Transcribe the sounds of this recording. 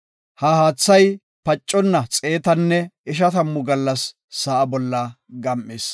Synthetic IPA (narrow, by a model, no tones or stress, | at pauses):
hɐhaːt͡sːɐj | pɐt͡ʃʼːɔnːɐt͡sʼeːt̪ɐnːɛɪʃ̬ɐt̪ɐmːʊɡɐlːɐsː | ɐʔɐbɔlːɐ | ɡɐmʔːeːs